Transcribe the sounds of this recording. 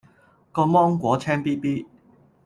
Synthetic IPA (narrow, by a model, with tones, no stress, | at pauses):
kɔː˧mɔː˥ŋkwɔː˨˥t͡sʰɛː˥ŋpiː˥piː˥